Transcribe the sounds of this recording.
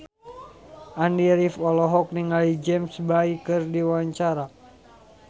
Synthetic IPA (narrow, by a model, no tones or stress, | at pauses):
ʔandiɾifɔlɔɦɔk̚niŋalid͡ʒɛmsbaikɨrdiwaɲt͡ʃaɾa